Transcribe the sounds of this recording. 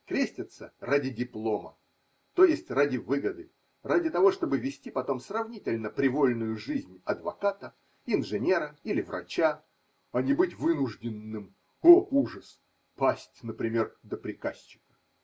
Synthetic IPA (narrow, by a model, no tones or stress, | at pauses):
kɾʲesʲtʲɪt̪səradʲɪdʲɪplˠo̞mə̰ | t̪o̞jɪsʲtʲradʲɪvɨɡəd̪ɨ | radʲɪt̪ɐvo̞ʂt̪o̞bɨvʲɪsʲtʲipɐt̪o̞msrɐvnʲitʲɪlʲnəpɾʲɪvo̞lʲnʊjʊʐɨzʲnʲɐd̪vɐ̰kat̪ə | ɪnʐɨnʲe̞ɾəilʲɪvrɐ̰t͡ɕa | ɐnʲɪbɨtʲvɨnʊʐdʲɪnːɨm | ouʐəs | pasʲtʲnəpɾʲɪmʲe̞rd̪əpɾʲɪkasʲt͡ɕːɪ̥kə̥